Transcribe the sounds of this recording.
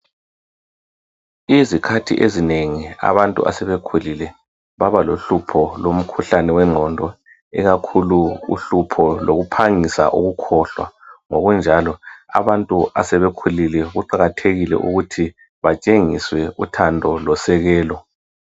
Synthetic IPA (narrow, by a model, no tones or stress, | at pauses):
izikʰatʰḭʔezineŋia̰βantʼṵʔa̰sɛβekʰulilɛ | βaβaloɬupʰɔlom̩kʰuɬanɛwɛŋ͡ǁʱɔndʱɔ | ɛɣakʰuluṵɬupʰɔloɣupʰaŋisa̰ʔuɣukʰɔɬwa̰ŋoɣund͡ʒʱalɔa̰βantʼuasɛβekʰulilɛɣuǃaɣatʰeɣilɛ̰ʔuɣutʰi | βat͡ʃʼeŋiswɛutʰandʱɔlɔsɛɣɛːlɔ